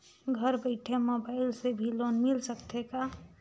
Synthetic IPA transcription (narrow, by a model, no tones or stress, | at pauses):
ɡʱəɾbəɪʈʰemobaːɪlsebʱiloːnmɪlsəkt̪eka